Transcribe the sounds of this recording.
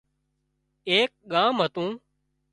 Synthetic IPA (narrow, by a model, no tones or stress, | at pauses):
eːk̚ɠaːmɦət̪ũː